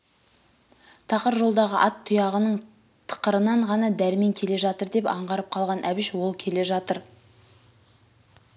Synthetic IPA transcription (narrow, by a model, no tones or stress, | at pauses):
t̪ʰɑqəɾʒo̞lˠd̪ɑʁəʔɑt̪ʰːʊjɑʁənəɴ | t̪ʰə̥qəɾənɑɴʁɑnɑd̪æɾɪme̞ŋkʲʰe̞le̞ʒɑt̪əɾd̪e̞pɑ̰ɴʁɑɾəp̚qʰɑlˠʁɑnʔæbɪʃwo̞lˠkʲʰe̞le̞ʒɑt̪əɾ